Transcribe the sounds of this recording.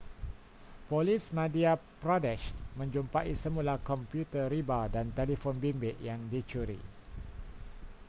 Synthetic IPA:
polismãdiapɾɔdɛʃmə̃ɲd͡ʒumpaʔisəmũlakɔmpjut̪əɾibadant̪elifonbimbɪʔjaŋdit͡ʃuɾḭ

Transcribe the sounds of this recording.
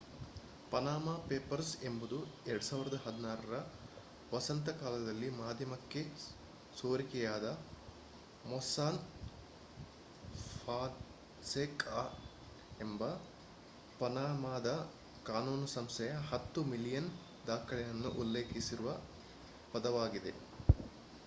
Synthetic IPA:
pɐnaːmaːpeːpɐɾsembud̪ueɾɐɽusaːʋiɾɐd̪ɐɦɐd̪inaːɾɐɾɐ | ʋɐsɐnt̪ɐkaːlɐd̪ɐlːimaːd̪ʱjɐmɐkːe̞ | soːɾikɛjaːd̪ɐ | mɔsaːn | pʰaː | seːka | embɐ | pɐnaːmaːd̪ɐ | kaːnuːnsɐmsɛjɐɦɐt̪ːumilijɐn | d̪aːkʰɐɭɛjɐnːṵʔulːe̞ːkisiɾuʋɐ | pɐd̪ɐʋaːɡid̪e̞̰

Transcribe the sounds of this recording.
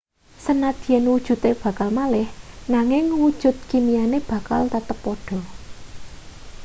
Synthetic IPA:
sənad̪̥i̤jɛnwud̥ʒ̥ṳt̪eb̥ä̤kalmalɪhnaŋɪŋwud̥ʒ̥ʊ̤t̪̚kimijaneb̥a̤kalt̪at̪əpːɔɖ̥ɔ̤

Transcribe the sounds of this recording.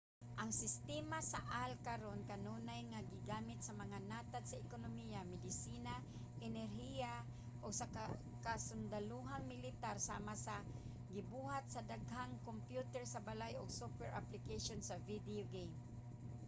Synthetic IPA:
ʔaŋsɪst̪ɛmasaʔalkaɾonkanuːnajŋaɡɪɡaːmɪt̪̚samaŋanat̪ad̪saɪkonomijamɪd̪ɪsiːna | ʔɛnɛɾɦija | ʔoɡsa | kasʊnd̪aluɦaŋmɪlɪt̪aɾsaːmasa | ɡɪbuːhat̪̚sad̪aɡɦaŋkompjut̪ɛɹsabalajoɡsokwɛɹʔa̰plɪkeʃonsavid̪ioɡejm

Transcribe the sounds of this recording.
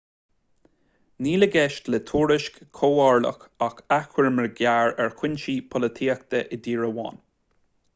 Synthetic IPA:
niːləɡɛʃtlɛt̪ʰuːɹɪʃkːʰoːɑɹlə̰xakaxwəɹməɹɡʲjaːɹɛɹkʰwɪnʲʃiːpʰɔlət̪ʰiːəkt̪əʔɪd̪iːɹəwɑ̰ːn

